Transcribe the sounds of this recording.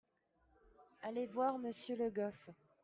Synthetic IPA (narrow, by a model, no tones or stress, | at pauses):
alevwaʁməsjøləɡɔf